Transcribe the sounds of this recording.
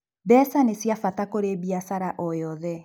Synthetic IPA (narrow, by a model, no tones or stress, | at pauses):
bɛːsanesjafatakoɾebiasaɾaʔɔjɔðɛ